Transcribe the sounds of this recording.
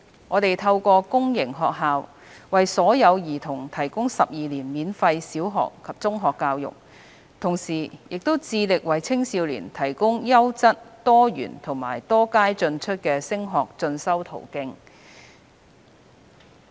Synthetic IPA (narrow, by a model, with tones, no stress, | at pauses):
ŋɔː˨˧t̪e˨jt̪ʰɐ˧wkʷɔː˧kʊ˥ŋjɪ˨˩ŋɦɔː˨k̚ɦaː˨w | wɐ˨jsɔː˨˥jɐ˨˧wjiː˨˩t̪ʰʊ˨˩ŋt̪ʰɐ˨˩jkʊ˥ŋsɐ˨p̚jiː˨liː˨˩nmiː˨˧nfɐ˧jsiː˨˥wɦɔ̰ː˨kʰːɐ˨p̚t͡sʊ˥ŋɦɔː˨kːaː˧wjʊ̰˨k̚ | t̪ʰʊ˨˩ŋsiː˨˩jɪ˨k̚t̪o˥wt͡siː˧lɪ˨k̚wɐ˨˩jt͡sʰɪ˥ŋsiː˧wlḭː˨˩nt̪ʰɐ˨˩jkʊ˥ŋjɐ˥wt͡sɐ˥t̚t̪ɔː˥jy̰ː˨˩nt̪ʰʊ˨˩ŋma̰ː˨˩jt̪ɔː˥kaː˥jt͡sɵ˧nt͡ʃʰɵ˥t̚kɛː˧sɪ˥ŋɦɔː˨k̚t͡sɵ˧nsɐ˥wt̪ʰo̰˨˩wkɪ˧ŋ